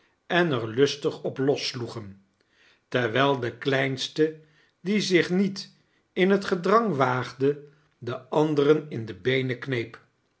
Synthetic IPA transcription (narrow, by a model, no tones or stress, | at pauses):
ɛnəɹlɵstəχɔplɔsluχən | tɛɹʋɛlˠdəklɛjnstə | dizɪχnit | ɪnɦətχədrɑŋʋaːχdə | dəɑndərənɪndəbejnəknejp